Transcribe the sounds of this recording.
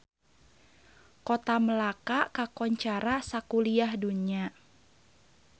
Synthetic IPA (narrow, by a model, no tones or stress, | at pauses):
kɔt̪aməlakakakɔɲt͡ʃaɾasakuliahduɲia